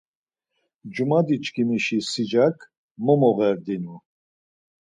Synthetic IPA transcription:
d͡ʒumad̪it͡ʃʼkʰimiʃisid͡ʒakʰ | mɔmɔɣɛɾd̪inu

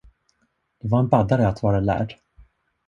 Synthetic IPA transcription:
d̪̥ɛvaɾɛnbad̪aɾəat̪vɑːɾalæ̰ːɖ

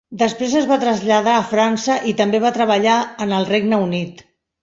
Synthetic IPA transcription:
d̪əspɾezəzβat̪ɾəzʎəð̞aːfɾansəʔit̪əmbeβat̪ɾəβəʎaənəlˠreɡnəunit̪

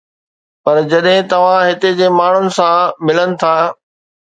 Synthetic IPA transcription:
pɐɾd͡ʑɐɗɦɪ̃t̪ɐʋ̤ãɦɪt̪ed͡ʑeːmaːɳ̤ʊnɪ̆sãmɪlənɪ̆t̪ʰaː

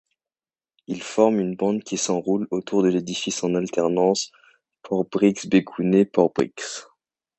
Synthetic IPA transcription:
ilfɔʁmynbɑ̃d̪kʲisɑ̃ʁulot̪ʰuʁd̪əled̪ifisɑ̃nalt̪ɛʁnɑ̃s | pɔʁbʁiksbekʰunepɔʁbʁḭks

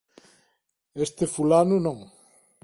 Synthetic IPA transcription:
est̪efulanunõŋ

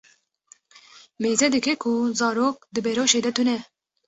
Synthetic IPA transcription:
meːzɛd̪ɨkɛkʰuzɑːɾoːk̚d̪ɨbɛɾoːʃeːd̪ɛt̪ʰunɛ

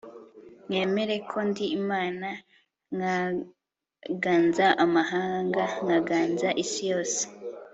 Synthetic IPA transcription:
ŋe̞ːme̞ɾe̞kʰo̞ndiːmaːna | ŋa | ɡaːnzaʔamaɦaːŋɡaŋaɡaːnzaʔisijo̞ːse̥

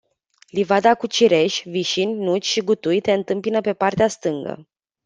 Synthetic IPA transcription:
livad̪akut͡ʃiɾe̞ʃʲviʃinʲnut͡ʃʲʃiɡut̪ujt̪e̞ɨnt̪ɨmpinəpe̞part̪east̪ɨŋɡə̰

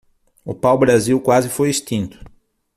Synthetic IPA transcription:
ʊpawbɾaziwkwazɪfojest̪ĩnt̪ʊ̥

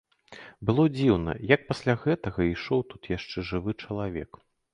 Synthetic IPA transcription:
bɨlˠɔd͡zʲiwnɐ̰jɐk̚pasʲlʲaɣɛt̪ɐɣɐiʂɔwt̪ut̪jaʂt͡ʂɛʐɨvɨt͡ʂɐlˠavʲɛ̰k

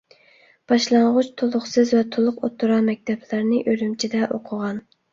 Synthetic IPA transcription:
b̥ɑʃlˠɑɴʁʊt͡ʃt̪ʰolˠʊχsɨzvɛt̪ʰolˠʊqot̪ʰːuɾɑmɛk̚ʲt̪ʰɛplæɾnɪʔøɾymt͡ʃʰid̪ɛʔoqʰʊʁɑn

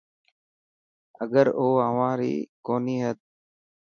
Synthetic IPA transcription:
əɡəɾoːaʋãːɾḭːkoːniːɦət̪̚

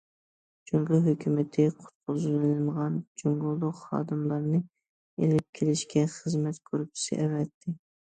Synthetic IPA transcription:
d͡ʒoŋɡʊɦøkʲʰymɪt̪ʰɪqʰʊ̥t̪̚qʰʊzɨlɨnɨlməʁɑnd͡ʒoŋɡʊlˠd̪ʊqχɑ̰ːd̪ɨmlˠɑɾnɨ | elɪp̚kʲʰelɪʃkʲʰɛχəzmɛt̪kʰøɾup̚t͡ʃʰi̥sɪ̰ʔɛvɛt̪ʰːɪ

